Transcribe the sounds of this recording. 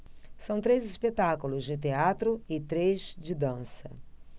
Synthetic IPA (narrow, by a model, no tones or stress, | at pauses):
sɐ̃w̃t̪ɾejzispet̪akulʊzd͡ʒɪt̪eat̪ɾʊɪt̪ɾezd͡ʒɪd̪ɐ̃sɐ